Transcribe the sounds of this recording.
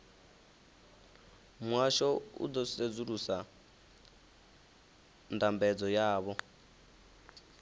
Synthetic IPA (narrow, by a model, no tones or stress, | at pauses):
mwaʃɔṵd̪ɔsed͡zuɾusa | ndambɛd͡zɔjaːβɔ